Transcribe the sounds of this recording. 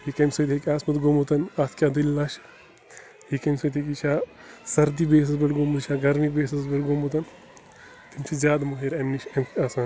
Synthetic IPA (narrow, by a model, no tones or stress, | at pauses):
ɦikɐmsɐt̪ʰekʲaːsmɐt̪ɡomot̪ɐnaːt̪ʰkʲaːd̪illaːʃ | ɦikɐmsɐt̪ʰʲeːkit͡ʃʰaː | sɐɾd̪ibeːs̬ɐsbɐʈɡomud̪t͡ʃʰaːɡɐɾmibeːsɐsbɐʈɡomot̪ɐn | t̪imt͡ʃʰizʲjaːd̪moɦeːɾɐmniʃɐmaːsaːn